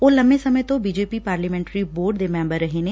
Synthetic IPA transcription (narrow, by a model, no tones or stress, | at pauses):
oːlɐmbesɐməjt̪õbiːd͡ʒeːpipaːɾləmɛ̃ːɳʈɾiboːɾɖd̪emɛ̃ːmbəɾːɐɦene